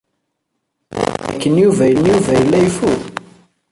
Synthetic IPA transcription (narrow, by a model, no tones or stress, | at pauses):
æ̰kːənjuvæjənjuvæjəlːæjfu